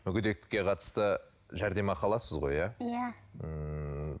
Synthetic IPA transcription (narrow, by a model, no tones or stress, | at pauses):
mʏɡʲʏd̪e̞k̚t̪ɪ̥kʲːe̞qʰɑt̪ə̥st̪ə | ʒæɾd̪e̞mɑqʰɑlˠɑsəzʁo̞̰jɑjæə